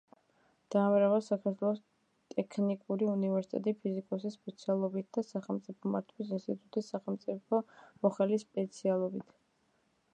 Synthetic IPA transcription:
d̪̥aːmɾavasakʰaɾt̪ʰwɛlˠɔs | t̪ʼɛkʰnikʼuɾiunivɛɾsi̥t̪ʼɛ̰t̪ʼipʰizikʼɔsispʼɛt̪sʰialˠɔbit̪̚ʰd̪̥asaχɛlˠmt̪sʼipʰɔma̰ɾt̪ʰwis̬inst̪ʼit̪ʼut̪ʰisaχɛlˠmt̪sʼipʰɔmɔχɛlispʼɛt̪sʰialˠɔbit̪ʰ

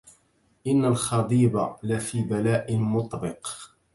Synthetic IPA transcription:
ʔɪnːalxɑd̪ˤiːbalafiːbalaːʔɪnmʊt̪ˤbɪq

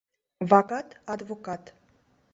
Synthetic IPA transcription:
vɑkɑt̪ɑd̪vɔkɑt̪

